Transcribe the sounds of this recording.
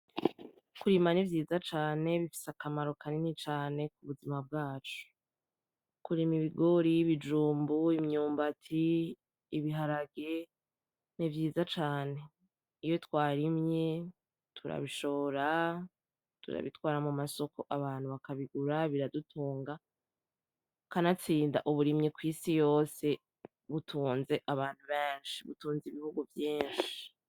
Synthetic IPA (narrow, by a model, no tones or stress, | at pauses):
kuɾimanivjiːzat͡ʃaːne̞βifi̥sakamaɾo̞kaninit͡ʃaːne̞k̚uβuzimab̚ɡaːt͡ʃu̥ | kuɾimiβiɡo̞ɾiβid͡ʒuːmbuimɲuːmbatʰiː | βiɦaɾaɡe | nivjiːzat͡ʃaːne̞ | ijo̞twaːɾimɲe̞ | tʰuɾa̰βiʃo̞βoɾa | tṵɾa̰βḭtwaːɾamumaso̞kʰo̞ʔaβaːnhuβakaβiɡuɾaβiɾadutʰuːŋɡa | kanat͡siːnda̰ʔuβuɾimɲekwiːsijo̞ːse̞ | βutʰuːnze̞ʔaβaːn̥huβeːnʃi̥βṵtuːnziβihuɡuvjeːnʃii̥